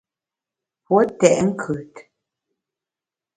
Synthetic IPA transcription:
pwɔ˦t̪ːɛ˨ʔɛ˦ŋ̩˦kʰɨ˨t

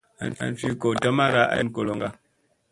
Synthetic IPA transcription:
a̰˨na̰˨n˨fi˦ko˨ta˦ma˦ɾa˦ʔa̰˦n˨ko˨lo˨ŋɡa˨

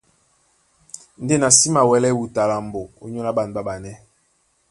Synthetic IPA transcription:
n̩˦de˦na˨si˦ma˨wɛ˨˦lɛ˦wu˨ta˨la˨mbo˨o˨ɲo˦la˦ɓa˨n˨ba˦ɓa˨nɛ˦

